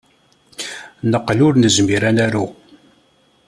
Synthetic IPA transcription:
nəqːəlʊɾnəzmiɾænæɾu

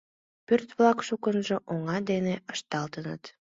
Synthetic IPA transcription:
pørt̪vlˠɑkʃukənʒɤ̆ʔoŋɑd̪eneəʃt̪ɑlˠt̪ənə̰t̪

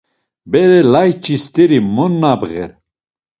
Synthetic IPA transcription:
bɛɾɛlajt͡ʃʼist̪ʼɛɾimɔnːabɣɛ̰ɾ

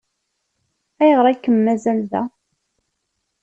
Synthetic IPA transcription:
æjəʁɾˤaækːəmːæzælðæ̰

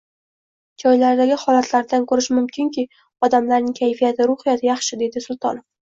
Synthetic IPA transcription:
d͡ʒɒjlaɾd̪aɡʲɪhɒlat̪ʰlaɾd̪ankʰɵɾɪʃmʊmkʲʰɪŋkʲʰi | ɒd̪amlaɾnɪŋkʲʰajfijat̪ʰɪɾʊhɪjat̪ʰɪjɑχʃɪd̪e̞d̪ɪsʊlˠt̪ʰɒ̰nf

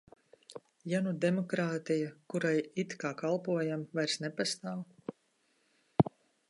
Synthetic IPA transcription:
janud̪emɔkɾaːt̪ijakuɾajit̪kaːkalˠpuɔjamvajɾsnepast̪aːw

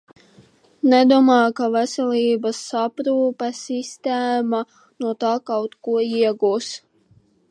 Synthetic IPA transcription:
nɛd̪uɔmaːkavɛsʲɛlʲiːbasːapɾuːpɛsist̪ɛːma | nuɔt̪aːkawt̪kuɔiɛɡuːs

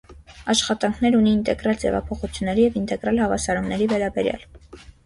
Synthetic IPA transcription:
ɑʃχɑt̪ɑŋkʰnɛɾuniːnt̪ɛɡɾɑld͡zɛ̰vɑ̰pʰɔχut͡sʰjunːɛɾijɛvint̪ɛɡɾɑlhɑvɑsɑɾumnɛɾivɛɾɑbɛɾjɑ̰l

